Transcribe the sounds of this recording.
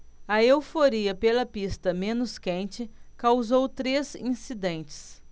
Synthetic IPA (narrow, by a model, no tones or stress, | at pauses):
ɐewfoɾiɐpelɐpist̪ɐmẽnʊskẽnt͡ʃɪkawzowt̪ɾezĩsid̪ẽnt͡ʃɪ̥s